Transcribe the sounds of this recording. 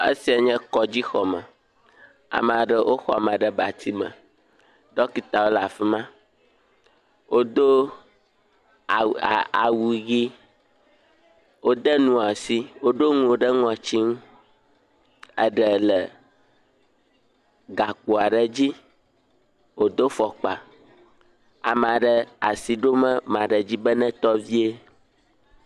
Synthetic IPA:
e˦si˨˦a˨ɲɛ̃˦kɔ˨d͡ʑi˦xɔ˨mə˨ | a̰˨mə̃˨a˨ɖə˨wʔo˦xɔ˦a˨mə̃˨ɖə˦ba˨t̪ʰi˦mə̰̃˨ | ɖɔ˦ki˨t̪a˨wo˦la˨fi˦mã˦ | wʔo˦d̪o˦˨ | a̰˨wu˨ɣi˦ | wo˦d̪ə˦nũ˦a˨si˦wo˦ɖo˦ŋũ˨o˨ɖə˦ŋɔ̃˨t͡ɕi˦ŋ̃˦ | ə̰˦ɖɛ˨lɛ˨ | ɡa˨k͡po˨a˨ɖɛ˨d͡ʑi˦ | wo˨d̪o˦fɔ˨k͡pa̰˨ | a˨m˨ã˨ɖɛ˨a̰˨si˨ɖo˦mɛ̃˦mã˨ɖɛ˨d͡ʑi˦bə˦nɛ̃˦t̪ɔ˦vi˦e˦

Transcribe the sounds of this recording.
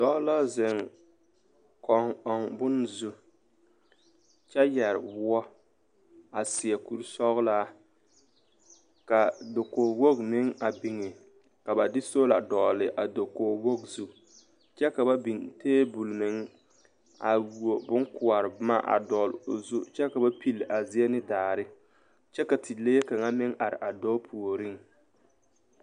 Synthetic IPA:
d̥ɔ˦la˦zɪ˨ŋ | kʰɔ˨ŋɔ˨ŋbʊ˦nzu˦ | t͡ʃɛ˦jɛ˨ɾɪ̰˨wʊ˦ɔ˦ | a˨sɪ˨ɛ˨ku˦˨ɾsɔ˦ɣla˦ | ka˨do˨koː˨wo˦ɡnɪ˦ŋa˨bi˨ŋɪ˨ | ka˨ba˨dɪ˦so˦la˨dɔː˨lɪ˨ʔa˨do˨koː˨wo˦ɡzu˦ | t͡ʃɛ˦ka˨ba˦bi˨nteː˦bu˨lnɪ˨˦ŋ | a˨wu˨o˨bʊ˦ŋkʊ˨a˨ɾɪ˨bma˦ʔa̰˨dɔ˨lʊ˨zʊ˦t͡ʃɛ˦ka˨ba˦pi˦lʔa˨zɪ˨˦ɛ˦nɪ˦daː˨ɾɪ˦ | t͡ʃɛ˦ka˨tʰi˨le˦je˦ka˨ŋa˦mɪ˦ŋʔa˨ɾɪ̰˨ʔa˨dɔː˦pʰu˨o˨ɾi˦ŋ

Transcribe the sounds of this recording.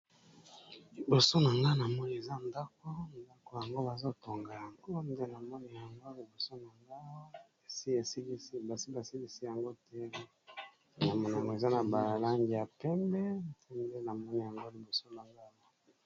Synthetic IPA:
li˨bo˨so˦na˨ŋɡa˦na˨mɔ˦ni˨e˨za˦nda˦k̚o˦n˨da˦ko˨ja˨ŋɡo˦ba˨zo˦to˨ŋɡa˨ja˨ŋɡo˦nde˦na˨mɔ˦ni˨ja˨ŋɡo˦li˨bo˨so˦na˨ŋɡa˦˨ | si˦˨si˦li˦sba˨si˦ba˨si˦li˦si˦ja˨ŋɡo˦tɛ˦ | na˨mɔ˨na˨ja˨ŋɡo˨e˨za˦na˨ba˨la˦ŋɡi˨ja˨pɛ˦mbɛ˦dɛ˦nde˦na˨mɔ˦ni˨ja˨ŋɡo˦li˨bo˨so˦na˨ŋɡa˦ma˦

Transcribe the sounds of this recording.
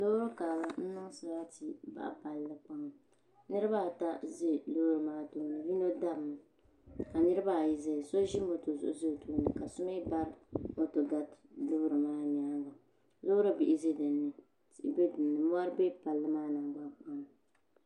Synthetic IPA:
lo˦ɾɨ˦kaː˨la˨n̩˦nɨ˦ŋsa˨ba˦ti˨ba̰˨ʔa̰˨pa˨lːɨ˦k͡pa˦ŋ˨ | nɨ˦ɾɨ˦ba˦˨ta˦zɪ˦lʊ˦bɾɨ˨maː˦toː˦nɨ˨vi˦no˦da˦bm˨ | ka˨nɨ˦ɾɨ˦ba˦˨ji˨zɛ˦˨so˦ʒɪ˦m˦bo˨to˨zʊ̰˨ʔʊ˦zɨ˦˨tuː˦nɨ˨ka˨sʊ˦ma˦ba˦ɾo˦to˨ɡa˦tlʊ˦hɾɨ˨maː˦ɲaː˨˦ŋɡa˨ | zo˦ɾɨ˦bi˨ʔɪ˦ze˦dɨ˨nːɨ˨ | tbe˦dɨ˨nːɨ˨mʊ˦a˦ɾbe˦pa˨lːɨ˦maː˦na˨ŋ˨ɡ͡ba˦k͡pa˦ŋ˨

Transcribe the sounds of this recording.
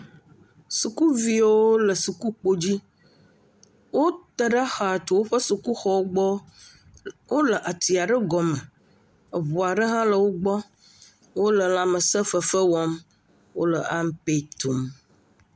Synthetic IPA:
su˨ku˦vi˦wo˦lə˨su˨ku˦k͡po˦d͡ʑi˦ | wo˦t̪ə˨ɖa˦xa˨a˨t̪o˨wo˦ɸə˦su˨ku˦xɔ˦wɡ͡bɔ˦ | wo˦lə˨ʔa˨t̪i˨a˨ɖə˦ɡɔ˨mə˨ | ə˨βu˨a˨ɖə˦ɦã˦lə˨wo˦ɡ͡bɔ˦ | wo˦lə˨la˦mə˨sə˦fə˨fə˦wɔ˦m | wo̰˦lə˨ʔa˦m˦pe˨t̪u˨m

